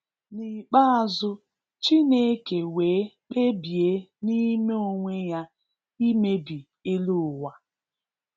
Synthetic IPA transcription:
ni˨k͡pa˦a˨zʊ˦ | t͡ʃi˦ne˦ke˨weː˨˦k͡pe˦bje˨˦ni˦me˦o˦ŋʷe˦ja˦ | i˦me˦bi˨ | e˦lu˦ʊ˨wa˨

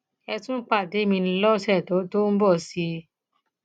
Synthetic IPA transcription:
ɛ˧tũ˦k͡pa˦˨de˨˦mĩ˧ñ̩˧lɔ˦sɛ˦˨tɔ˨˦to˦n̩˦bɔ˦˨si˧˦

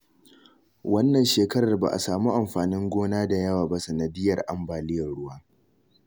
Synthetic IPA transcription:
wɐ˦nːɐ˨nʃeː˨kɐ˦ɾɐ˨rba̰˨ʔa̰˨saː˨muː˦ʔa˨mɸaː˨nɪ˦ŋɡʷoː˦naː˦da˨jɐ˦waː˨ba˦sɐ˨nɐ˨dɪ˦jɐ˨rʔa˨mbaː˨lɪ˦jɐ˨rɽʊ˦waː˦

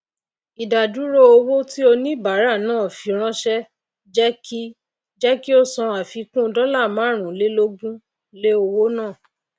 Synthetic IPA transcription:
i˨da˨du˨˦ɾo˦o˧wo˦ti˦o˧nĩ˦ba˨˦ɾa˦˨nãː˦˨fi˨˦ɾ̃ã˦ʃɛ˦ | d͡ʒɛ˦ki˦ | d͡ʒɛ˦ki˦o˦sɔ̃˧a˨fi˨˧kũ˦˧dɔ˦la˦˨mã˨˦ɾ̃ũ˨le˦lo˦ɡũ˦ | le˦o˧wo˦nãː˦˨

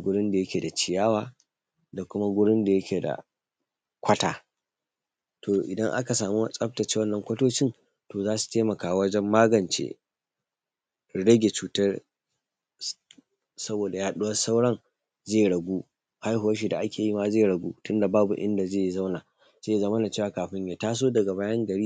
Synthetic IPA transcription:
ɡʷʊ˦ɽɪ˦nda˨jɐ˦kʲeː˨da˨t͡ʃɪ˨jaː˦waː˦ | da˨kʷʊ˦ma˦ɡʷʊ˦ɽɪ˦nda˨jɐ˦kʲʰeː˨da̰˨ | kʷʰɐ˦ta̰ː˨ | tʰoː˨ʔɪ˨dɐ˦ŋʔa̰˦ka˨saː˨mu˦sʼɐ˦p̚tɐ˨t͡ʃeː˦wɐ˦nːɐ˨ŋkʷɐ˦toː˦t͡ʃɪ˦n | toː˨zaː˦su̥˨teː˦mɐ˨kaː˨wɐ˦d͡ʒɛ˦mːaː˦ɡɐ˨nt͡ʃḛː˦ | ɽɐ˦ɡʲe˨t͡ʃuː˨tɐ˦r | sɐ˦boː˨da˨jaː˦ɗʊ˦wɐ˦sa˦wɽɐ˦ŋ | zeː˦˨ɽɐ˨ɡʷuː˦ | ha˦jɦʊ˨wɐ˦ʃ̬i˨da˨ʔa˦kʲʰeː˨ji˦ma˦zeː˦˨ɽɐ˨ɡʷṵː˦tʊ˦nda˨baː˦bu˨ʔɪ˦nda˨zeː˦˨za˦wnaː˨ | z̥eː˦jzɐ˦mɐ˦na˨t͡ʃeː˦waː˨kaː˨ɸɪ˦ɲja˨taː˦s̬oː˦dɐ˨ɡa˨baː˦jɐ˦ŋɡɐ˨ɽiː˦

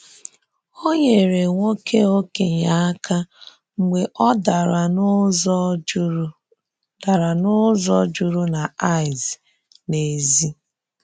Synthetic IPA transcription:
o˦ɲe˨ɾe˨ŋʷo˦kʰe˦o˦ke˨ɲa˦a˦kʰa˦ | ŋ͡m̩˨ɡ͡be˨ʔɔ˦da˨ɾa˨˦ | d̥a˨ɾa˨nʊ˦zɔ˦d͡ʒu˦ɾu˦na˨a˦˨ɪ˨z | ne˨zi˦

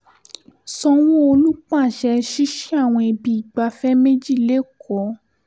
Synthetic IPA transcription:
sɔ̃˧w̃o˦o˧lu˦k͡pa˦˨ʃɛ˧ʃi˦ʃi˦a˦˨w̃ɔ̃˧e˧bi˧i˨ɡ͡ba˧fɛ˦me˦d͡ʒi˦˨le˦˨kʰɔ˨˦

